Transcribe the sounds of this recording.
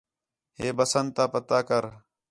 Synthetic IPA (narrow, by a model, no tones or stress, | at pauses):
ɦeːbəsən̚t̪aːpət̪aːkəɾ